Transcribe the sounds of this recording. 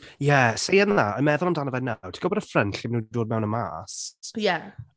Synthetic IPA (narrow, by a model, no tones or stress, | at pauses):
jɛsejənaɔjmɛðʊlˠamdanəvɛnːawtʰi̥ɡ̥ɔbɔdəfrənɬimənudoːd̚mɛwnəma̰ːsjɛ